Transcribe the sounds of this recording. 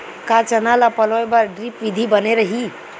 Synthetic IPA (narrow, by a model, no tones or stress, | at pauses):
kat͡ʃənalapʌlɔebaɾɖɾipʋid̪ʱibəneɾəɦi